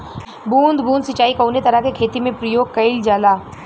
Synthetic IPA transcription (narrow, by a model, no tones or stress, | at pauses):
bũːnd̪ʱbũːnd̪sɪt͡ʃaːikɐːnet̪ɐɾakekʰeːt̪imẽpɾəjoːɡ̚kɐɪld͡ʒaːlaː